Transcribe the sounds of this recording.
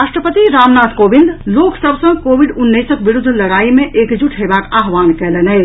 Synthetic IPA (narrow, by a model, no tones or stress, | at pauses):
ɾaʃʈɾəpət̪iɾamnat̪kobind̪loksəbsə̃ŋɡkobiɖunːəjsəkbiɾud̪ʱːləɽaimẽʔekd͡ʒuʈʰɦebakaɦʋankɛlenɛɪ